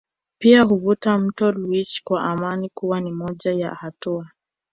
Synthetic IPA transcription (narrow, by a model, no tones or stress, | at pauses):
piahuvutam̩tɔluiʃkwaʔamanikuwanimɔʄaja̰hatua